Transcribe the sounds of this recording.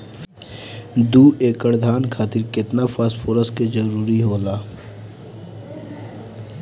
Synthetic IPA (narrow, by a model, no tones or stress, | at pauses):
d̪uːʔeːkəɽd̪ʱaːnkʰaːt̪ɪɾkɪt̪nafʰaspʰʊɾəsked͡ʒəɾuːɾiɦoːlaː